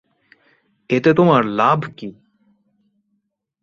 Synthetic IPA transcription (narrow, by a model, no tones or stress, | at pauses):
eːt̪et̪ʊmaːɾlaːbʱkiː